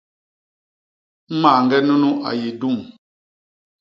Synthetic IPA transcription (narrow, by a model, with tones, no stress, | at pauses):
maː˨ŋɡɛ˦nu˦nu˦ʔa̰˨je˨du˦˨m